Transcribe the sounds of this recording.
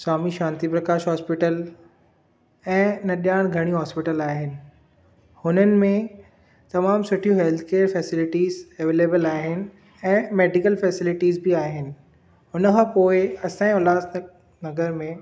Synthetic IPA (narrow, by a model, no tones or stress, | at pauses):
saːmiʃãːnt̪ipɾɐkaːʃɦɔːspɪʈəl | ɛ̃ːnɐɗijaːɽ̃ɡʱɐɽ̃iɦɔːspɪʈəlaːɦɪnɪ̆ | hʊnənɪ̆mẽ | t̪ɐmaːmsʊʈʰijũɦɛlt̪ʰkeːəɾfɛːsɪlɪʈiːzɐʋeːleːbəlaːɦɪnɪ̆ | ɛ̃ːmeːɖɪkəlfɛːsɪlɪʈiːzbiaːɦɪnɪ̆ | ɦʊnəkʰãːpoːɪɐsãːĩʊlaːs | nɐɡəɾmẽ